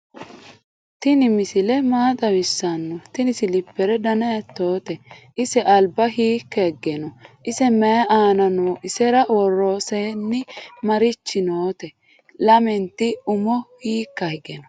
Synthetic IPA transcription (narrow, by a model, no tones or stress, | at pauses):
t̪ɪnɪmɪsɪlɛmaːd̪ɐwɪsːɐnːɔt̪ɪnɪsɪlɪpːɛɾɛd̪ɐnɐjɐt̪ːo̞ːt̪ɛʔɪsɛʔɐlbɐɦiːkːɐɛɡːɛnɔʔɪsɛmɛjɐʔaːnɐnoːʔɪsɛɾɐwɔrːo̞ːseːnːɪmɐɾɪt͡ʃːɪnoːt̪ɛ | lɐmɛnt̪ːɪʊmɔhiːkːɐhɛɡɛnɔ